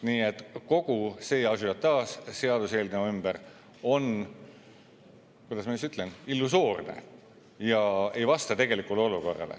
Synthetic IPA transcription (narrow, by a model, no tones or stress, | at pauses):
niːet̪ːko̞ɡ̥use̞ːɑsujɑt̪t̪ːɑːsse̞ɑd̪̥use̞ːlneymb̥ər | o̞n | kujd̪̥ɑsmɑsyt̪ːˑlenilːuso̞ːrnḛ | jɑe̞jvɑst̪ɑt̪e̞ɡ̥e̞likːˑuleo̞luko̞̰rːɑ̰lḛ